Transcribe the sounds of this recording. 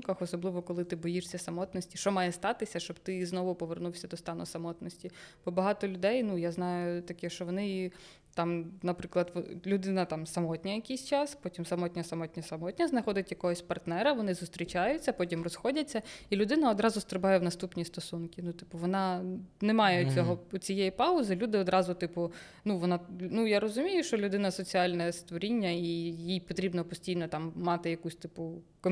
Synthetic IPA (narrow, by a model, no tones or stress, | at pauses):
kɐxɔsɔblˠɪʋɔkɔlˠɪt̪ɪbɔjiʂsʲɐsɐmɔt̪nɔsʲtʲiʃt͡ʃɔmɑjɛst̪ɑt̪ɪsʲɐʃt͡ʃɔbt̪ɪznɔʋʊpɔʋernuwsʲɐd̪ɔst̪ɑnʊ̰sɐmɔt̪nɔsʲtʲib̥ɔbɐɦɑt̪ɔlʲʊd̪ɛjnujaznɑjʊt̪ɐkɛʃt͡ʃɔʋɔnɪ | t̪ɑmnɐpɾɪklˠɐd̪ʋɔlʲʊd̪ɪnɐt̪ɑmsɐmɔtʲnʲɐjɐkʲijsʲt͡ʃɑspɔtʲimsɐmɔt̪ʲnʲɐsɐmɔtʲnʲɐsɐmɔtʲnʲɐznɐxɔd̪ɪtʲjɐkɔɦɔsʲpɐrt̪nɛɾɐʋɔnɪzʊst̪ɾʲit͡ʃɑjʊt͡sʲːɐpɔtʲimrɔsxɔdʲɐt͡sʲːɐilʲʊd̪ɪnɐɔd̪ɾɑzʊst̪ɾɪbɑjɛwnɐst̪upnʲist̪ɔsunkʲinut̪ɪpʊʋɔnɑnɛmɑjɛt͡sʲɔɦɔɔt͡sʲijejipɑʊzɪlʲud̪ɪɔd̪ɾɑzʊt̪ɪpʊ | nuʋɔnɑnujaɾɔzʊmʲijʊʃt͡ʃɔlʲʊd̪ɪnɐsɔt͡sʲiɑlʲnɛst̪ʋɔɾʲinʲːɐijijpɔt̪ɾʲibnɔpɔsʲtʲijnɔt̪ɑmːɑt̪ɪjɐkusʲt̪ɪpʊ | kɔ